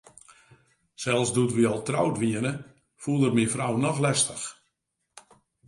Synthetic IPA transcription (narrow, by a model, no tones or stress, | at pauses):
sɛlˠsdutʋiɔlˠtrawtʋiənə | fulˠərmifrawnɔxlɛstəx